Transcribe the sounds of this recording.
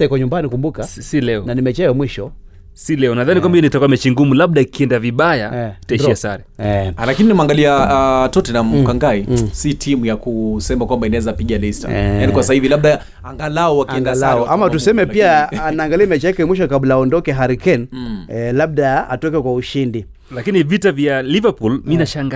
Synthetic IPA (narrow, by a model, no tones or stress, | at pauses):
kwaɲumbanikumbukasilɛɔnanimɛt͡ʃɛjɔmwiʃɔ | silɛɔnaðanikwambainitɔkamɛt͡ʃiŋɡumulaɓ̚ɗaikiɛndaviɓajai̥taiʃiasaɾɛalakininamaŋɡaliatɔtɛnam̩kaŋɡaisitʰimujakusɛmakwambainaɛzapiʄalista̰janikwasahivilaɓ̚ɗa | aŋɡalaɔwakiɛndalaʔamattusɛmɛpiaːnaːŋɡaliamɛt͡ʃiakɛmwiʃɔkablaːɔndɔkɛɦaɾikɛn | laɓ̚ɗaa̰tɔkɛkwauʃindi | lakinivitavjalivapulminaʃaŋɡa